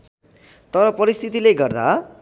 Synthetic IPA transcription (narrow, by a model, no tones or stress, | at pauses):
t̪ʌɾʌpʌɾist̪ʰit̪ileɡʌrd̪a